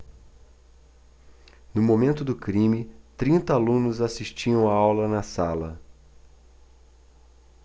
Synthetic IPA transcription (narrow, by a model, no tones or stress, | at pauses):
nʊmomẽnt̪ʊd̪ʊkɾĩmɪt̪ɾĩnt̪ɐalũnʊzasiʃt͡ʃiɐ̃w̃aawlɐnɐsalɐ